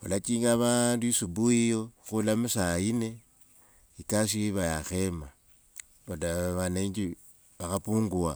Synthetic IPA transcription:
ulat͡ʃiŋɡaβanduisubuijoxulamusaine | ikasiβajaxema | βodaβaneiɲd͡ʒi | βaxapuːŋɡua

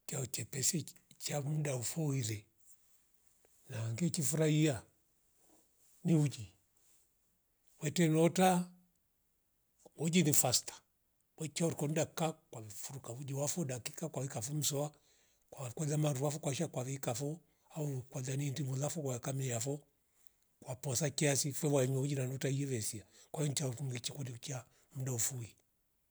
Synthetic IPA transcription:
t͡ʃaɔt͡ʃɛpɛsɛt͡ʃamudaufɔilɛ | naŋɡɛt͡ʃifuɾaia | niud͡ʒi | wɛtɛnɔta | wɔd͡ʒinifastḁ | wɛt͡ʃaɔɾikɔndakakwafuɾukaud͡ʒiwafɔdaki̥kakwaβikafɔm̩sɔa | kwakwalamaɾuwafɔkwaʃakwaβikafɔ | aukwalanindimulafɔkaɛkamɛjafɔ | kwapɔsakiasifɛwaɛɲwɛud͡ʒinanɔtaijɛβɛsiakwaɔnt͡ʃaɔkuŋɡit͡ʃikɔnit͡ʃa | m̩daufui

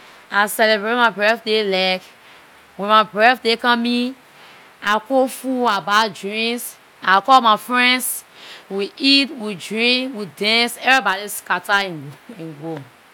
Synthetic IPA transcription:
asɛlebɹetmaɪbɹɛθdelaɪk | wɛ̃nmabɹɛθdekãmĩ | akofuabadɹĩŋs | akɔlmafɹɛ̃nswiitwidɹĩŋkwidɛ̃nsɛvɹibɔdiskataĩnĩnɡo

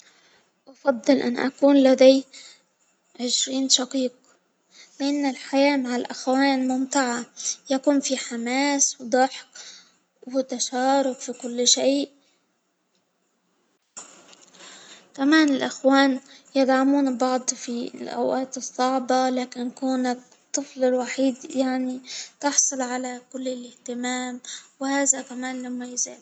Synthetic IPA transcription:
ʔɑfɑd̪ˤːɨlʔa̰nʔa̰kuːnlad̪aj | ʕɪʃɾiːnʃɑqiːq̚ | lɪʔanːalħajaːmaʕalʔaxwaːnmʊmt̪aʕajakuːnfiħamaːswd̪ˤɑħk | wɪt̪aʃaːɾˤʊqfikʊlːʃeːʔ | kamaːnɪlʔɪxwaːnjɪd̪ʕamuːnbɑʕd̪ˤfilʔa̰wʔaːt̪ɨsˤːɑʕbɑlaːkɪnkuːna | t̪ˤːɨflɪlwaħiːd̪jaʕnit̪ɑħsˤʊlʕalakʊlːɪlɪht̪ɪmaːmwhaːðakamaːnlamːajza̰ːl

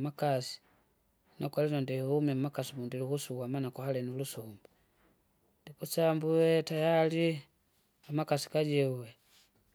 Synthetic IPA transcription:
makasi̥ | nakwalinɔndihumɛmakasimundilihusuwamanakwahalɛnulusumbu | ndikusambuwɛtajali | amakasi̥kaɟɛuwɛ

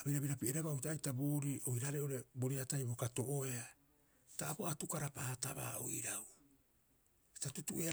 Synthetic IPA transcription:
abiɾabiɾapiʔeɾaβaoitaːjtabuːɾiʔojɾaɾeo̞ɾe̞boɾiatajbokato̞ʔoea | taːpoatukaɾapaːta̰βa̰ːo̰iɾaw | si̥tatutuʔe

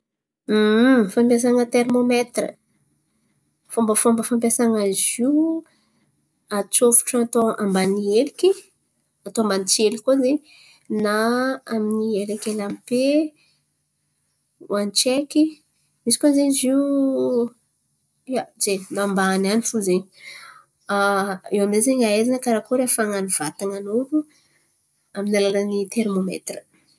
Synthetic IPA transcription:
fampjas̬aŋət̪ermomet̪rə̰ | fombəfambəfamp̬jasaŋəziw | at͡sofu̥ʈ͡ʂat̪oambanieliki | at̪oambanit͡sielikoze | naaminielekʲelampe | wanit͡ʃekʲi | misi̥kʲozeɲiziu | azenaːmbaːnanifuzeɲi | aewamzezeɲaezanəkaɾakuɾefaŋaniv̥at̪aŋanuɾu | aminalalənit̪eɾmomḛt̪rə̥

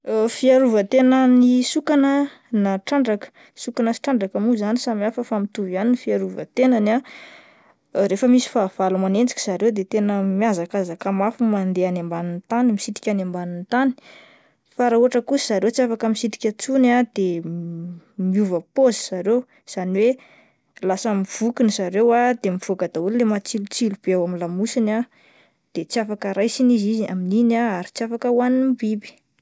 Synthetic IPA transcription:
fiaɾuvət̪enənisukanə | naʈ͡ʂaɳɖ͡ʐakə̥ | sukanasi̥ʈ͡ʂaɳɖ͡ʐakamuzanisamiafəfamit̪uvianinifiaɾuvə̰t̪enana | ɾefəmisi̥faːv̥alumanend͡zikʲi̥z̥aɾewd̪et̪enəmiazakazakamafumand̪eanembanint̪animisit̪i̥kʲanembanint̪ani̥ | faɾauɦaʈ͡ʂəkusiz̥aɾewt͡siafakəmisit̪i̥kʲat͡sunad̪̥e | miuvəpozz̥aɾew | z̥aniwe | lasamiv̥ukinizaɾewad̪̥emiv̥okad̪aulilemat͡silut͡silub̥eawamilamusina | d̪̥et͡siafakəɾajsinizizia̰mininaaɾit͡siafakəwanimbibi̥

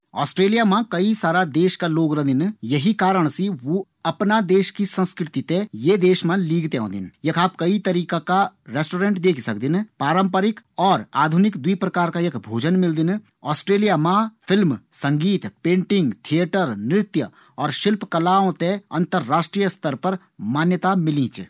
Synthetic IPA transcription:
ɔ̰ːsʈɾeːlijamãkɐisaːɾad̪eːʃkaloːɡɾɐ̃d̪ɪnjɐɦikaːɾəɽ̃siʋo | ɐpnad̪eːʃkisə̃nskɾɪt̪it̪ẽjed̪eːʃmãliːɡt̪eɦõ̰ːd̪ɪ̰njɐkʰaːp̚kɐit̪ɐɾiːkakaɾeːsʈoːɾẽːɳʈd̪eːkʰsɐkd̪ɪnpɾaːɾə̃mpəɾɪkɔːɾaːd̪ʱʊnɪkd̪wipɾɐkaːɾkaekbʱoːd͡ʒənmɪld̪ɪn | ɔːsʈɾeːlijamãfʰɪlmsɐ̃ŋɡiːt̪pẽːɳʈɪ̃ŋɡt̪ʰiəʈəɾnɾɪt̪jə | ɔːɾʃɪlpkɐlaːõt̪ẽɐ̃nt̪əɾːaːʃʈɾijəst̪ʰəɾpɐɾ | maːnjət̪amɪlĩːt͡ʃ

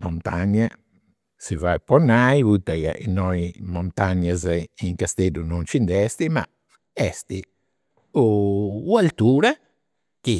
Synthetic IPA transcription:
mɔnt̪aɲa | sivajpɔnːajvut̪aja̰ʔinːɔjmɔnt̪aɲaziŋkast̪ed̪unɔnt͡ʃind̪ɛst̪ima̰ | ɛst̪i | uːalt̪uːɾa | k̟i

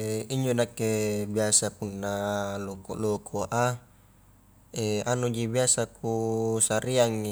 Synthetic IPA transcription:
iɲd͡ʒonakːebiasapunːaloko̰lokʰoʔa | eanud͡ʒibiasakusaɾiaŋːi

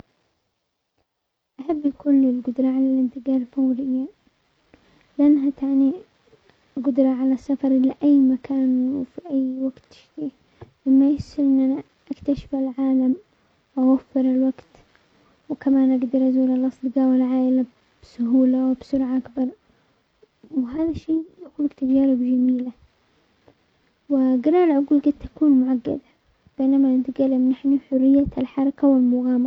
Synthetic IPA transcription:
ʔaħabːkʊlɪlɡʊd̪ɾˤɑʕalalɪnt̪ɪɡɑːɾˤfawɾɪjːa | lɪʔanːɦat̪ʰaʕni | ɡʊd̪ɾˤɑʕalasːafɑɾˤʔɪlːaʔajːmakaːnwfiʔajːwaɡt̪ɪ̥ʃt̪iː | mɪmːajɪsɪlʔɪnːʔana | ʔakt̪aʃɪ̥falʕaːlam | ʔawafːɪɾɪlwaɡt̪ | wkamaːnʔaɡd̪ɑɾˤʔazuːlalʔɑsˤd̪ɡaːwɪlʕaːʔɪla | b̥sʊɦuːlawbsʊɾʕaʔakbɑɾˤ | wɦaːðaʃːeːjakuːlːɪkt̪ad͡ʒaːɾɪbd͡ʒamiːla | wɪɡɪlaːlʕʊɡuːlɡad̪̚ʔakuːnmʊʕaɡːa̰d̪a | b̥eːnamanɪt̪ɡalːɪmnaħniħʊrːɪjːalħɑɾˤɑkawɪlmʊɣaːm

